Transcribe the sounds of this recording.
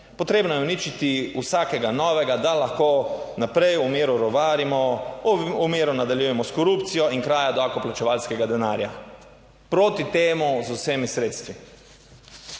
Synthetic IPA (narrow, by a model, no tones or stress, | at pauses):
pɔt̪ɾeːbnɔjɛunit͡ʃit̪iusaːkɛɡanɔːʋɛɡad̪alaxkoːnapɾɛjumeːɾuɾɔʋaːɾimɔ | umeːɾunad̪aljujɛmɔskɔɾupt̪sijɔinkɾaːjad̪oakɔplat͡ʃɛʋalskɛɡad̪ɛnaːɾja | pɾoːt̪it̪eːmuzuseːmisɾeːt̪st̪ʋi